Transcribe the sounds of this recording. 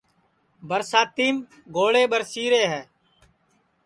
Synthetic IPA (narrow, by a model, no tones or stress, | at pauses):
bəɾsaːt̪iːm | ɡoːɽeːɓəɾsiːɾeːɦɛː